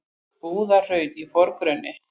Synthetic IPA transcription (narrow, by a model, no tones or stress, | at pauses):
puːðar̥œːɥt̪ifɔɾkɾœnːɪ